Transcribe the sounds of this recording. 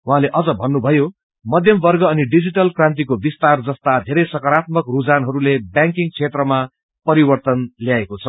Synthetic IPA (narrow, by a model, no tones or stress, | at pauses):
wɦãleʔʌd͡zʌbʱʌnːubʱʌjo | mʌd̪ʱjʌmbʌrɡʌːniɖid͡ziʈʌlkrãnt̪̬ikobist̪ard͡zʌst̪ad̪ʱeɾʌjsʌkʌɾat̪̚mʌkrud͡zanɦʌɾulebjãŋkiŋt͡sʰet̪rʌma | pʌɾibʌrt̪ʌnljaekot͡sʰʌ